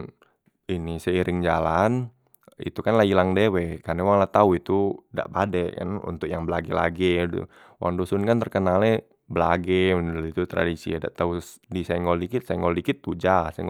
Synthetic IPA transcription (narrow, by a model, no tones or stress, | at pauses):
inisɛiɾʔɪŋd͡ʒalan | ḭt̪ukanlailaŋdɛwɛkanawaŋlat̪auit̪uda̰ʔpadɛka̰nṵnt̪ʊk̚jaŋbəlaɡɛla̰ɡɛ̰ | wʔa̰ŋdosʊnkant̪ərkənalɛ | bəla̰ɡɛit̪ut̪ɾa̰disḭada̰ʔt̪ausdisaŋɡɔlikɪt̪̚sajŋɡɔlikɪt̪̚ːud͡ʒasɛŋ